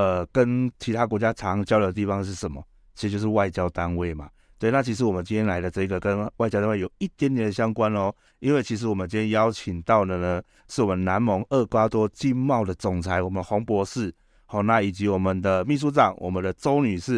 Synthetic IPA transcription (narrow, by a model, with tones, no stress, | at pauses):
ə˨˩kə˦nt͡ɕʰi˧t̪ʰa˦˥k̬wɔ˧˥t͡ɕja˦t͡sʰɑ˨˦˥ŋt͡ɕjɑ˥ʊdə˧˨ə˧t̪i˥˩fɑ˧˦ŋʂɻ̩˥˩ʂə˨˦mɔ˦ | t͡ɕʰi˧˥˧t͡ɕjo˥˧ʊʂ̩˥˧wa˥˩ɪt͡ɕjɑ˥ʊt̪a˦nwe˥˩ɪma̰˩ | sɔ˥˩i˨na˥˩t͡ɕʰi˧˥ʂ̬̩˧˦wɔ˨˩mə˨nt͡ɕi˦nt̪ʰjɛ˥la˧˥ɪdə˨˧t͡sɤ˥˧˩i˧ɡə˨kə˦nwa˥˩t͡ɕɑ˥t̪a˥we˥˩jo˨˩ʊi˥˩t̪jɛ˧˦nt̪jɛ˨˦ndə˧˩ɕja˥ŋkwa˦nɔ˧ | i˦nwe˥˩t͡ɕʰi˧˥ʂ̬̩˧˦wɔ˨˩mə˨˦nt͡ɕi˦nʰjɛ˥nja˦ʊt͡ɕʰi˨˩ŋt̪ɑ˥˩ʊd̪ə˩nə˩ | ʂɻ̩˥˩wɔ˨˩mə˨nna˧˦˥nmo˧˥ŋə˥˩kwa˦˥t̪wɔ˦t͡ɕi˥˧nmɑ˥˩ʊd̪ə˩t͡sʊ˨˩ŋt͡sʰa˧˦ɪwɔ˨˩mə˨˦d̪ə˧xɔ˧˥ŋpwɔ˧˦ʂɻ̩˥˩ | hɔ˥˩na˥˧i˨˩t͡ɕi˨˦wɔ˨˩mə˨nd̪ə˨mi˥˩ʂ̬u˥t͡sɑ˨˩ŋwʔɔ̰˨˩mə˨˦nd̪ə˨t͡so˦ʊny˨˩ʂɻ̩˥˩